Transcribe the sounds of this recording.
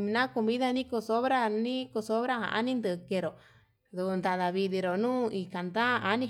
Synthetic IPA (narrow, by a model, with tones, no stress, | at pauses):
ĩ˧nã˦ko˧mĩ˦ða˧nĩ˦ko˧so˦βɾa˦nĩ˦ko˧so˦βɾa˦hã̰˧ʔa̰˦nĩ˦nd̪ɨ˧ke˧ɾo˨ | ðu˨u˧nd̪a˧ða˨βi˧ði˧ɾo˨nũː˦i˧ka˨nd̪a˦˧a˦nĩ˧